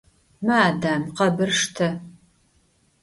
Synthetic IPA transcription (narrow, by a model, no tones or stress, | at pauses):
mɐaːdaːmqɐbɨrʂtʰɐ